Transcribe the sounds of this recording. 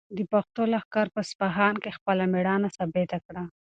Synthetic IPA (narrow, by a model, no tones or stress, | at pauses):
d̪əpaxt̪olaxkɑɾpəspaɦɑnkexpəlameɽɑnasɑbet̪akɽa